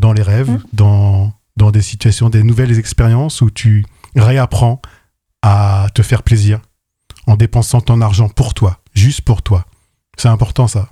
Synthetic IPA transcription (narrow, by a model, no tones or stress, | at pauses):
d̪ɑ̃leʁɛvd̪ɑ̃ | d̪ɑ̃d̪esit̪yɥasjɔ̃d̪enuvɛlzɛkspeʁjɑ̃sut̪ʰyʁeapχɑ̃ | at̪əfɛʁpleziːʁ | ɑ̃d̪epɑ̃sɑ̃t̪ɔ̃naʁʒɑ̃puʁt̪wa | ʒyst̪puʁt̪wa | sɛɛ̃pɔʁt̪ɑ̃sa